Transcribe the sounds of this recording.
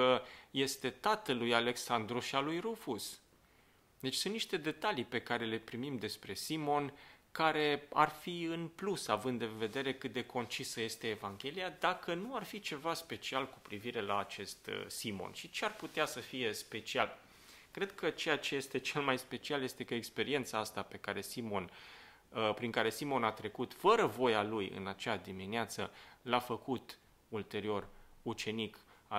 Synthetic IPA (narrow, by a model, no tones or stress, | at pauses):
əje̞st̪e̞t̪at̪əlujale̞ksand̪ɾuʃialujɾufus | d̪e̞t͡ʃʲsunt̪niʃt̪e̞d̪e̞t̪alipe̞kaɾe̞le̞pɾimimd̪e̞spɾe̞simo̞nkaɾe̞a̰rfiɨnplusavɨnd̪d̪ːeve̞d̪e̞ɾe̞kɨt̪̚d̪e̞kʰo̞nt͡ʃisəje̞st̪e̞ːvaŋɡʲe̞liad̪akənuarfit͡ʃe̞vaspe̞t͡ʃialku̥pɾiviɾe̞la̰ːt͡ʃe̞st̪simo̞̰nʃit͡ʃearput̪easəfije̞spe̞t͡ʃial | kɾe̞d̪̥kʰət͡ʃe̞jat͡ʃe̞je̞st̪e̞t͡ʃe̞lmajspe̞t͡ʃialjest̪e̞kəekspe̞ɾie̞nt̪saast̪ape̞kaɾe̞simo̞n | pɾiŋkaɾe̞simo̞nat̪ɾe̞kut̪fəɾəvo̞jalujɨ̰nat͡ʃead̪imineat̪səlafəkut̪ | ult̪e̞ɾio̞rut͡ʃe̞nik | a